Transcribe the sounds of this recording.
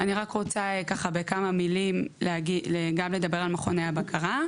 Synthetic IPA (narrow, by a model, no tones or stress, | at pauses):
aniʁakʁo̞t͡sakaχabe̞kamamilimleaɡileɡamle̞d̪abe̞ʁalmaχoneabakʰaʁa